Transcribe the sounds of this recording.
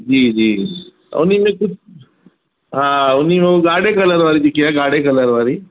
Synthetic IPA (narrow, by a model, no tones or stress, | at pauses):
d͡ʒiːd͡ʒḭː | unimikut͡ʃ | ɦãunimeɡaɽekələɾʋaɾid̪ikijaɡaɽekələɾʋaɾiː